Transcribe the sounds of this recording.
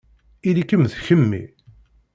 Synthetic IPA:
ilikːəmθçəmːḭ

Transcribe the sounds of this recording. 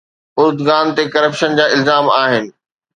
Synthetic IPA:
ʊɾd̪ɣaːnt̪ekɐɾəpʃənd͡ʑaːɪlzaːmaːɦɪnɪ̆

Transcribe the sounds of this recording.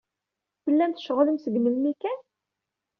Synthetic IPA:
θəlːænθə̥ʃʁləmsəɡməlmikæn

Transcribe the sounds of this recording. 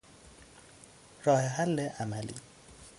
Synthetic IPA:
rɔhɛhal̩lɛʔamalḭ

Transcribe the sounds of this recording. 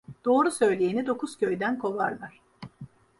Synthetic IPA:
d̪̥o̞ːɾusø̞jlʲejinid̪o̞kʰuz̥cʰø̞jd̪ænkʰo̞vaɾlˠaɾ̥

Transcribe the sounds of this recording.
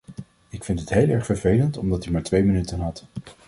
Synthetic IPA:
ɪkfɪntɦətɦejlˠɛɹχfəɹvejləntɔmdɑtymaːɹtʋejmənytənɦɑt

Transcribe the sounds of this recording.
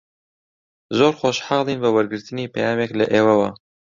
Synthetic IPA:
zoːɾxoʃħɑːlˠiːnbəwɛɾɡɨɾt̪ɨniːpʰɛjaːmeːklɨ̰ʔeːwɛwɑ̰

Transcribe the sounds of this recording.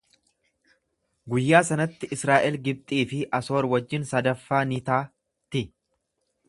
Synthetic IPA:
ɡʊjːaːsɐnɐt̪ːɪʔɪsɾaːʔɛlɡɪb̚t̪ʼiːfɪʔɐso̞ːɾwɐd͡ʒːɪnsɐd̪ɐfːaːnɪt̪aː | t̪ɪ

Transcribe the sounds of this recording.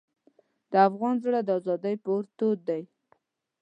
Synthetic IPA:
d̪əafɣɑnzɽad̪əɑzɑd̪əjpoɾt̪od̪̚d̪aj

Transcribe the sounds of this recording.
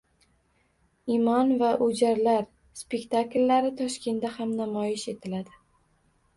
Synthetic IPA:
imɒnvaʔʊd͡ʒaɾlaɾ | spe̞kʲt̪aklʲːaɾɪt̪ʰɒʃkʲʰe̞nd̪ahamnamɒjɪʃe̞t̪ʰɪlad̪ɪ

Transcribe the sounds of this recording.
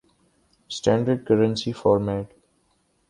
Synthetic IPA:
sʈæ̃ːɳɖəɾɖ̚kəɾə̃nsifɔːɾmɛːʈ

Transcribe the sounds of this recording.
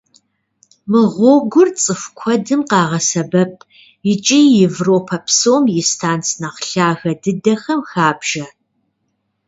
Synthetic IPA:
mɨʁʷɔɡʷʊrt͡sʼɨfkʷʰɔdɨmqɑːʁɐsɐbɐp̚ʼʰ | jɪt͡ʃʼijɪvroːpʰɐpʰsoːmjɪstʰaːnt͡sʰnɐqɬaːɣɐdɨdɐxɐmxaːbʒɐ

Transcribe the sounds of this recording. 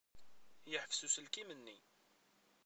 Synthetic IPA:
jəħəfsusəlkimənːḭ

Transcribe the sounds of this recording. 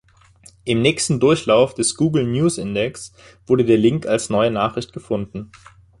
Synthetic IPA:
ʔɪmnɛːçstn̩dʊɐçlaʊfd̥ɛsɡ̥uːɡl̩njuːsʔɪndɛks | v̥ʊɐɾədeːɐlɪŋkalsnɔʏənaːχʁ̥ɪçt̚ɡ̥əfʊndn̩

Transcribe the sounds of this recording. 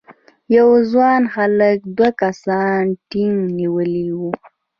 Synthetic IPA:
jawzwɑnxalək̚d̪wakasɑnʈiŋniwəliwu

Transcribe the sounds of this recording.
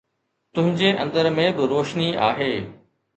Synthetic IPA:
t̪ʊ̃ɦɪ̃ɲd͡ʑeʔɐ̃nd̪əɾmẽbɪɾoːʃnia̰ːɦeː

